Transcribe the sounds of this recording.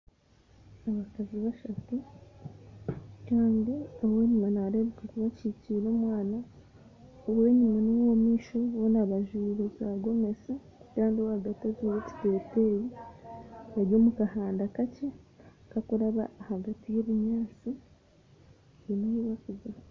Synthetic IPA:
aβakaziβaʃatu | kaːndiawe̞ːɲumanaɾe̞βekakuβaciciːɾomwaːna | uβwe̞ːɲumanuwomiːʃo̞βonaβaʒiɾezaɡo̞me̞se | kaːndiohaɡataziβoti̥teːte̞ji | βaɾjo̞mukahaːndakace̞ | kakuɾaβaːhaɡatijoβuɲaːt͡si | jenojuβakuze

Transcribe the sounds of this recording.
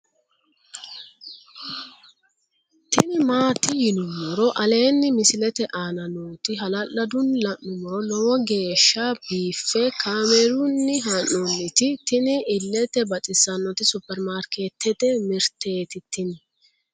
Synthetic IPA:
t̪ɪnɪmaːt̪ɪjɪnʊmɔɾɔʔɐle̞ːnːɪmɪsɪlɛt̪ɛʔaːnɐnoːt̪ɪɦɐlɐlːɐd̪ʊnlɐnːʊmɔɾɔlɔwɔɡe̞ːʃːabiːfːɛkʰaːmɛɾʊnːɪɦɐnːɔnːɪt̪ɪt̪ɪnɪɪlːɛt̪ɛbɐtʼɪsɐnːɔt̪ɪsʊpːɛɾmaːɾket̪ʰːɛt̪ɛmɪɾt̪eːt̪ɪt̪ːɪnɪ

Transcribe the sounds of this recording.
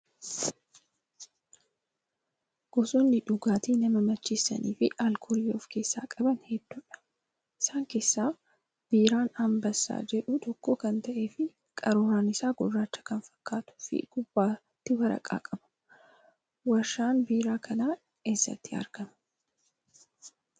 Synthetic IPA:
ɡ̥ɔsunlɪᶑʊɡaːt̪iːnɐmɐmɐt͡ʃːiːsːɐ̰niːfɪʔɐlkʰʊɾiːoːfke̞ːsːa̰ːkʼɐbɐnhɛd̪ːuːᶑɐ̥ | ʔɪsaːŋke̞ːsːaː | b̥iːɾaːnɐmbɐsːa̰ːd͡ʒɛᶑʊt̪ɔkːoːkɐnt̪ɐʔe̞ːfɪ | kʼɐɾoːɾaːnɪsaːɡʊrːaːt͡ʃːɐ̥kɐnfɐ̥kːaːt̪ʊ̥fɪ̰ɡ̥ʊbːaː | t̪ːɪwɐɾɐ̰kʼa̰ːkʼɐbɐ̥ | wɐʃaːnbiːɾaːkʰɐnaː | eːsːɐ̰t̪ːɪɐ̰ɾɡ̥ɐmɐ

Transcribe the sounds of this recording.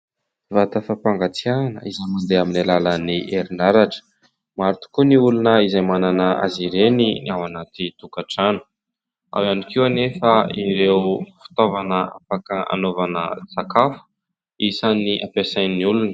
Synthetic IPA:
vat̪əfapaŋɡat͡sianə̰izajmand̪eaminalaləniʔeɾinaɾaʈ͡ʂə̥ | maɾut̪u̥kuniulunəizajmananəʔa̰ziɾeninawanat̪it̪ukaʈ͡ʂanə̥ | a̰wjanikiwnefəiɾewfi̥t̪ovanəa̰pakəa̰novanə̰sakafu̥ | isaniʔapesajnniulunə̥

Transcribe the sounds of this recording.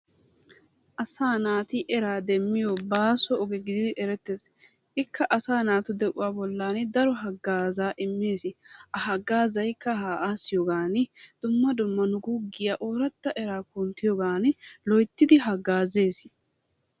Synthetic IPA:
ʔɐsaːnaːt̪ɪʔɛɾaːd̪ɛmːɪjɔbaːsɔɔɡɛɡɪd̪ɪd̪ɪʔɛɾɛt̪ːeːs | ʔɪkːɐʔɐsaːnaːt̪ʊd̪ɛʔʊwaːbɔlːaːnɪd̪ɐɾɔɦɐɡːaːzaːʔɪmːeːsɪʔɐɦɐɡːaːzɐjkːɐhaːʔaːsːɪjɔɡaːnɪd̪̥ʊmːɐd̪ʊmːɐnʊɡuɡːɪjɐʔoːɾɐt̪ːɐʔɛɾaːkʊnt̪ɪjɔɡaːnɪlɔjt̪ːɪd̪ɪɦɐɡːaːze̞ːsɪ̥

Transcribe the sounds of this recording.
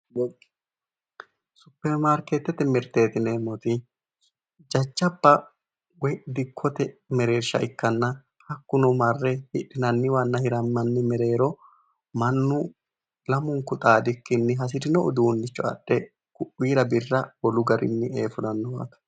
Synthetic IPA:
sʊpːɛɾmaːɾket̪ːɛt̪ɛmɪɾt̪e̞ːt̪ɪneːmɔt̪ɪ | d͡ʒɐt͡ʃːɐpːɐ | wɔjʔɪd̪ɪkʰːɔt̪ɛmɛɾe̞ːɾʃɐ̰ʔɪkːɐnːɐ | hɐkːʊnɔmɐrːɛhɪᶑːɪnɐnːɪwɐnːɐhɪɾɐmːɐnːɪmɛɾe̞ːɾɔ | mɐnːʊ | lɐmʊŋkːʊt̪ʼaːd̪ɪkːɪnːɪɦɐs̬ɪd̪ɪnɔɔd̪uːnːɪt͡ʃːɔɐ̰ɗːɛ | kʊʔːiːɾɐbɪrːɐwɔlʊɡɐɾʔɪ̰nːɪeːfʊnɐnːɔwa̰ːt̪ɐ̥

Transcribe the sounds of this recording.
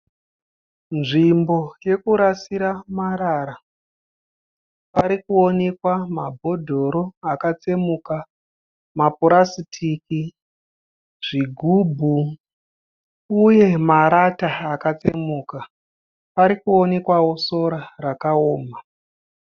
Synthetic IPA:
nʐimbo̞je̞kuɾasiɾamaɾaːɾa | paɾikuo̞ne̞kwamabʱo̞dʱo̞ɾoakat͡se̞muːka | mapuɾasitʰiki | ʐ̥iɡʱubʱu | uje̞maɾataːkat͡se̞muka | paɾikuo̞ne̞kwawo̞so̞ɾarakaoːma

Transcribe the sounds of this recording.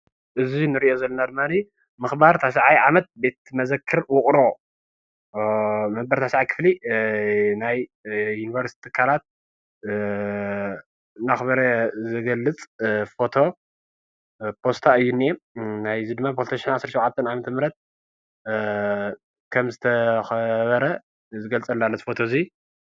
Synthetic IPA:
ʔɨzinɨɾiʔozɐlːonad̪ɨmːani | mɨxbaɾt̪ʰaʃ̬aʕajʕamɐt̪̚be̞t̪mɐzɐkʰːɨɾwʊχʼɾo̞ | mɐbɐɾt̪ʰasʕajkʰɨ̥fli | najːunivɐɾsit̪it̪ʰikʰalat̪̚ | naxβɐɾɐzɨɡɐlːɨt͡sʼfo̞t̪ʰo̞ | pʰo̞st̪ʰaɨjːunːienajzid̪ɨmːapʰost̪ʰoʃinʕasɾʃwʕat̪ʰːɐnʕamɐt̪ʰɐmɾɐt̪̚ | kʰɐmzɨt̪ʰɐxɐβɐɾɐ | zɨɡɐlt͡sʼɐlːalːɐt̪ʰi̥fo̞t̪ʰozi

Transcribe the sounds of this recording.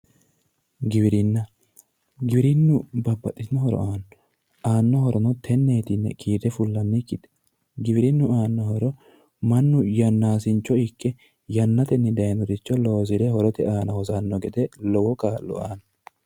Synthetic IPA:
ɡɪβɪɾɪnːɐ | ɡɪbɪɾɪnːʊbɐbːɐt̪ʼːɪsɪnɔhɔɾɔ̰ʔaːnːɔ | ʔaːnːɔhɔɾɔnɔt̪ʰɛnːeːt̪ɪnːɛ̰kʰiːd̪ɛfʊlːɐnːɪkːɪt̪ɛ̥ | ɡɪβɪɾɪnːʊaːnːɔhɔɾɔ | mɐnːʊjɐnːaːsɪnt͡ʃːɔɪkːɛ | jɐnːɐt̪ɛnːɪd̪ɐjnɔd̪ɪt͡ʃːɔlo̞ːzɪɾɛhɔɾɔt̪ɛaːnɐhɔzanːɔɡɛd̪ɛlɔwɔkaːlːɔ̰a̰ːnɐ

